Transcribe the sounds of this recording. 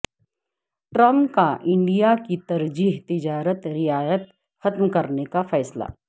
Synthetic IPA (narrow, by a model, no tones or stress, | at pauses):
ʈɾɐ̃mkaʔɪ̃ɳɖijakit̪ɐɾd͡ʒiːɦt̪ɪd͡ʒaːɾət̪ɾɪjaːjət̪ | xɐt̪mkɐɾnekafɛːsla̰ː